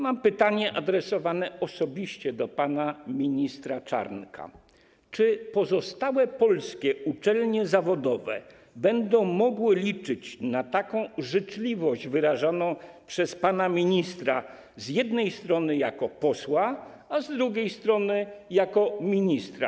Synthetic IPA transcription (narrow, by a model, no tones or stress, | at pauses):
mampɘt̪aɲɛʔad̪ɾɛsɔvanɛɔsɔbʲiɕt͡ɕɛd̪ɔpanamʲiɲist̪ɾat͡ʂa̰ɾnkʰa̰ | t͡ʂɘpɔzɔst̪awɛpɔlskʲɛut͡ʂɛlɲɛzavɔd̪ɔvɛ̰ | bɛnd̪ɔ̃w̃mɔɡwɘlʲit͡ʂɘt͡ɕnat̪akɔ̃w̃ʐɛt͡ʂlʲivɔʑd͡ʑvɘɾaʐanɔ̃w̃pʂɛspanamʲiɲist̪ɾa | zjɛd̪nɛjst̪ɾɔnɘjakɔpɔswa | azd̪ɾuɡʲejst̪ɾɔnɘjakɔmʲiɲist̪ɾa̰